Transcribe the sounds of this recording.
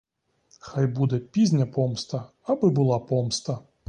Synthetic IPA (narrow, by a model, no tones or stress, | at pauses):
xajbud̪ɛpʲizʲnʲɐpɔmst̪ɐ | ɐbɨbɨlˠapɔmst̪ɐ